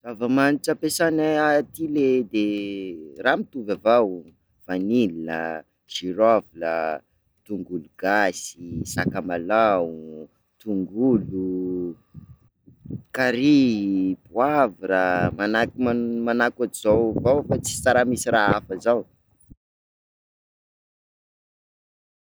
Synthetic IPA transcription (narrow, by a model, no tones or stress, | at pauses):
zavamaniʈ͡ʂapesanaat̪iled̪e | ramit̪uvavaw | v̥anilinə̰ | ʒ̥iɾavilə̰ | t̪uŋɡuluɡ̥asisakamalau | t̪uŋɡulu | kaɾibuaviɾəmanakimamanakaʈ͡ʂizawvawfat͡si̥t͡saɾamisiraafəzaw